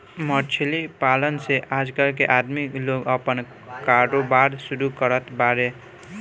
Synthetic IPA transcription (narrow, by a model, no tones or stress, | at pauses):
mʌt͡ʃʰelipalənseʔad͡ʒkəlk̬eʔad̪mikloɡʌpən | kaɾobaɾsuɾukəɾət̪baɾe